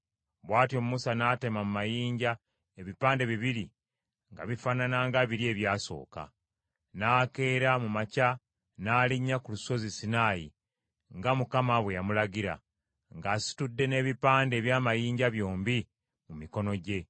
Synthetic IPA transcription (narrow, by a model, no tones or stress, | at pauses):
βwaːtjo̞mumusanate̞mamumajiːɲɟa | e̞βipaːnde̞βiβiɾi | ŋɡa̰βifananaŋɡaβiɾie̞βjaːso̞̰ːka̰ | naːke̞ːɾamumaca | naːliɲːakuluso̞zisinaːjḭ | ŋɡamukamaβwe̞jamulaɡiɾa̰ | ŋɡaːsi̥tudːe̞ne̞ːβipaːnde̞ːβjaːmajiːɲɟaβjo̞ːmbi | mumiko̞no̞ɟe̞